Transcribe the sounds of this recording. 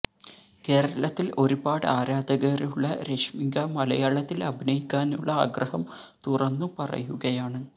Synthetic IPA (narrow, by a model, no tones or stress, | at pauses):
ke̞ːɾɐɐlɐt̪ːilo̞ɾubaːɽaːɾaːd̪ɐɣɐruɭːɐɾe̞ʂmiŋɡɐmɐlɐjaːɭɐt̪ːilɐbʱinɐjikʲːaːnuɭːɐa̰ːɡrɐhɐm | t̪urɐnːupɐrɐ̰juɣɐjaːɳɨ